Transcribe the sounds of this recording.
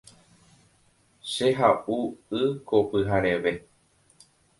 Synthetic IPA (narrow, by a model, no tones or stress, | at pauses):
ʃeɦaʔuɨkʰopɨɦaɾeʋe